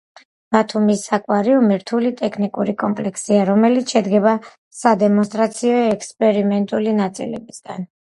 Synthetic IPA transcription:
b̥at̪ʰumisakʼwaɾiumiɾt̪ʰulit̪ʼɛkʰnikʼuɾikʼɔmpʼlɛkʰsiaɾɔmɛlit̪sʃɛd̪ɡɛba | sad̪ɛmɔnst̪ʼɾat̪sʰiɔɛkspʼɛɾimɛnt̪ʼulinat̪sʼḭlɛ̰bisɡ̥a̰n

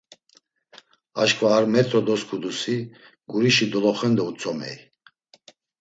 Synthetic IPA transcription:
aʃkʰvaːɾmɛt̪ʰʼɾɔd̪ɔskʰud̪usi | ɡuɾiʃid̪ɔlɔχɛnd̪ɔut͡sʼɔmɛ̰j

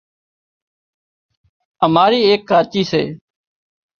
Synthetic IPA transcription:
əmaːɾiːeːkːaːt͡ʃiːsḛː

